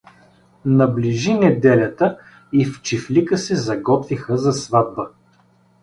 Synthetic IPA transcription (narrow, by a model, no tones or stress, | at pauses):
nɐbliʒinɛd̪ɛlʲɐt̪ə | ift͡ʃiflikəsɛzɐɡɔt̪vixəzɐsvad̪̚bə